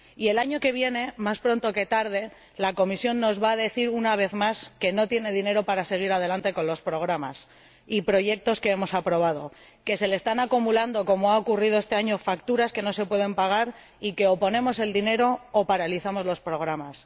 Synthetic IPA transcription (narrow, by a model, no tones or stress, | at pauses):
ie̞laɲo̞ke̞β̞je̞ne̞maspɾo̞nt̪o̞ke̞t̪aɾðe̞ | lako̞misjo̞nːo̞zβaːðe̞θiɾunaβ̞e̞θmaske̞no̞t̪je̞ne̞ðine̞ɾo̞paɾase̞ɣ̞iɾað̞e̞lant̪e̞ko̞nlo̞spɾo̞ɣ̞ɾamas | ipɾo̞ʝe̞k̚t̪o̞ske̞emo̞sapɾo̞β̞að̞o̞̰ | ke̞se̞lest̪anakumuland̪o̞ko̞moaokurið̞o̞est̪e̞aɲo̞fakt̪uɾaske̞no̞se̞pwe̞ðe̞mpaɣ̞aɾ | ike̞o̞po̞nẽ̞mo̞se̞ld̪ine̞ɾo̞ːpaɾaliθamo̞zlo̞spɾo̞ɣ̞ɾamas